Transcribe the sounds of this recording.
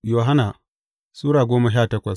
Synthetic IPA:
jo˨ɦa˦na˨ | suː˦ɾaː˨ɡʷoː˦ma˨ʃaː˦˨tɐ˦kʷɐ˨s

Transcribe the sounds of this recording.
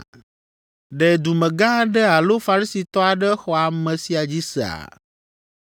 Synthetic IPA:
ɖɛ˨d̪u˨mɛ̃˨ɡã˦ɖɛ˦a˨lo˦fa˨ɾi˦si˨t̪ɔ˦a˨ɖɛ˦xɔ˨a˨mɛ̃˨si˨˦a˨d͡ʑi˦sɛ̰˨a̰˨

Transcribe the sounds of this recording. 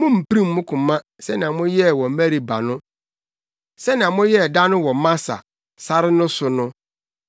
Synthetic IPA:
mʊ̃˦m̩˨pi˦ɾĩ˦m̩ː˦ʊ̃˦kʰʊ̃˨mã˦ | sɛ˦nɪ̃˨ã˨mʊ̃˦jɛ˦˨wɔ̃˨mæ˦ɾi˨ba˨nʊ̃˦ | sɛ˦nɪ̃˨ã˨mʊ̃˦jɛ˦˨da˦nʊ̃˦wɔ˨mã˦sa̰˨ | sa˦ɾɪ˦nʊ̃˦sʊ˨nʊ̃˦

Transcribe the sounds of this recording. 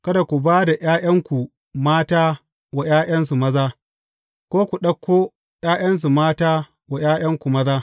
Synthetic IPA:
kɐ˦da˨kʷu˨baː˦da˨jaː˦jɐ˦ŋkʷu˨ | maː˦taː˦ | wa˨j̰aː˦j̰ɐ˦nsu˨mɐ˦zaː˦ | kʷoː˦kʷu˨ɗɐ˦kʰʷːoː˦ | jaː˦j̰ɐ˦ns̬u˨maː˦taː˦ | wa˨j̰aː˦j̰ɐ˦ŋkʷu˨mɐ˦zaː˦

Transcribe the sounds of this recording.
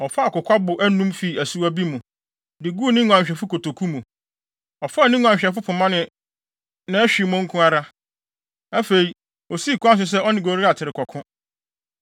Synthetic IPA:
ɔ˨fa˦a˨kʊ˨kʷa˦bʊ˨ʔæ˦nũ˦mfi˨æ˨su˦æ˦bi˦mũ˨ | dɪ˨ɡu˦nɪ̃˦ŋʊ̃˨ã˨ɲ˨ɕᶣɛ˨fʊ˦kʰo˨tʰo˨kʰu˦mũ˨ | ɔ˨fa˦˨nɪ̃˦ŋʊ̃˨ã˨ɲ˨ɕᶣɛ˨fʊ˦pʰʊ˨mã˦nɪ̃˨ | nã˨˦æ˦ɕᶣi˨mʊ̃˦ŋ̩˦kʰʊ̃˦a˦ɾa˦ | æ˦fe˨ɾi˨ | o˨si˦˨kʰʊ˦ã˦s̬ʊ˨s̬ɛ˦ɔ˦nɪ̃˨ɡo˨ɾi˦a˨tʰɪ˨ɾɪ˨kʰɔ˨kʰʊ̃˦

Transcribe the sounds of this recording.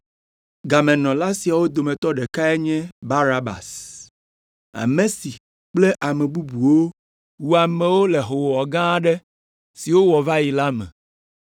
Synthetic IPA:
ɡa˨mɛ̃˨nɔ̃˨la˦si˨a˨wo˦d̪o˨mɛ̃˨t̪ɔ˦ɖɛ˨ka˦ɛ˦ɲɛ̃˦ba˦ɾa˦ba̰˨s | a̰˨mẽ˨si˨ | k͡ple˦ʔa˨mɛ̃˨bu˦bu˨wo˦ | wu˨a˨mɛ̃˨wo˦le˨ɦo˨wɔ˨ɡã˦ɖɛ˦ | si˨wo˦wɔ˨va˦ji˨la˦mɛ̰̃˨

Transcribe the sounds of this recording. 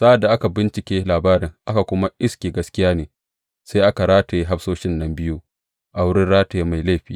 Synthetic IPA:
sa˦ʔa˨dːa˨ʔa˦ka˨bɪ˦nt͡ʃɪ˨kʲeː˦laː˨baː˦ɾɪ˨ŋʔa˦ka˨kʷʊ˦ma˦ʔɪ˦skʲeː˨ɡɐ˦skʲɪ˦jaː˦neː˨ | sa˦jʔa˦ka˨ɾaː˦ta˨je˦ɦa˦ɸsoː˦ʃɪ˦nːɐ˦mbɪ˦ju˦ | ʔa˨wʊ˦ɽɪ˦nɽaː˦ta˨je˦ma˨jla˦˨ɸiː˦˨

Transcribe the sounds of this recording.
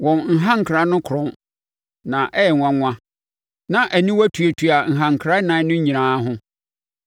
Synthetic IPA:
wɔ̃˨nŋ̩˨ɦã˦ŋ̩˨kʰɾa˨˦nʊ̃˦kʰʊ˨ɾɔ̃˦n | nã˨ʔɛ˦jɛ˨ŋʷã˦ŋʷã˦ | nã˨ʔæ˨nĩ˦wæ˦tʰu˨e˨tʰu˨a˨ŋ̩˨ɦã˨ŋ̩˨kʰɾa˦nã˨˦nʊ̃˦ɲ̩˦ɲĩ˨ãː˨˦ɦʊ̃˦

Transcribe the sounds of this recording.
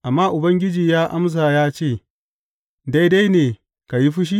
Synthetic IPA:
ʔa˨mːaː˦ʔʊ˨bɐ˦ŋɡʲɪ˦d͡ʒiː˨jaː˦ʔa̰˦ms̬aː˨jaː˦t͡ʃeː˦˨ | da˦jda˦jneː˨ | ka˨ji˦ɸʊ˦ʃ̬i˦

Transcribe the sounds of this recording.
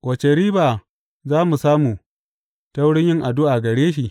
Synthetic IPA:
kʷɐ˨t͡ʃe˨ɾiː˦baː˨ | zaː˦mu˨saː˦mu˨ | ta˦wɽɪ˦ɲjɪ˦ŋʔa˨dʊ˦ʔa˨ɡɐ˨ɽeː˦ʃ̬i˨

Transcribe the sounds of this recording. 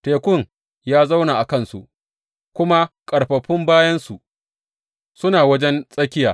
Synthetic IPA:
teː˨kʷʊ˦˨ŋ | jaː˦za˦wnaː˨ʔa˨kɐ˦nsṵ˨ʔ | kʷʊ˦ma˦kʼɐ˨ɽɸɐ˨ɸɪ˦mbaː˦jɐ˦nsu˨ʔ | sʊ˦naː˨wɐ˦d͡ʒɛ˦nsʼɐ˦kʲɪ˦jaː˨

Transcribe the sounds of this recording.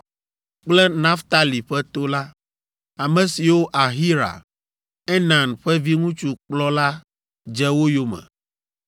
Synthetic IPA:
k͡plɛ˦nã˦ft̪a˦li˨ɸɛ˦t̪o˦la˦ | a˨mɛ̃˨si˨wo˦ʔa˨ɦi˦ɾa̰˨ | ɛ˦nã˨nɸɛ˦vi˦ŋũ˦t͡ʃu˨k͡plɔ˦la˦ | d͡ʒɛ˦wo˦jo˦mɛ̰̃˨

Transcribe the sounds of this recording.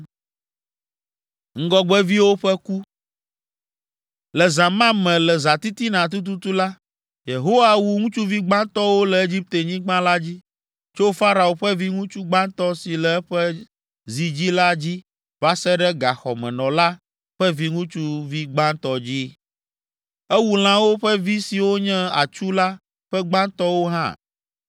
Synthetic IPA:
ŋ̩˦ɡɔ˦ɡ͡bɛ˦vi˦wo˦ɸɛ˦ku˦ | lɛ˨zã˨mã˦mɛ̃˨lɛ˨za˨t̪i˦t̪i˦nã˨t̪̬u˦t̪̬u˦t̪u˦la˦ | je˨ɦo˦wa˨wu˦ŋũ˦t͡ʃu˦vi˦ɡ͡bã˦nt̪ɔ˦wo˦lɛ˨e˦d͡ʑi˦p̚t̪e˨ɲĩ˦ɡ͡bã˦la˦d͡ʑi˦ | t͡ʃo˦fa˦ɾa˨wo˨ɸɛ˦vi˦ŋũ˦t͡ʃu˦ɡ͡bã˦nt̪ɔ˦si˨lɛ˨ɛ˦ɸɛ˦ | zi˨d͡ʑi˦la˦d͡ʑi˦ | va˦sɛ˦ɖɛ˦ɡa˨xɔ̰˨mɛ̃˨nɔ̃˨la˦ | ɸɛ˦vi˦ŋũ˦t͡ʃu˦vi˦ɡ͡bã˦nt̪ɔ˦d͡ʑi˦ | ɛ˦wu˨l̃ã˦wo˦ɸɛ˦vi˦si˨wo˦ɲɛ̃˦a̰˨t͡ʃu˦la˦ | ɸɛ˦ɡ͡bã˦nt̪ɔ˦wo˦ɦã̰˦˨

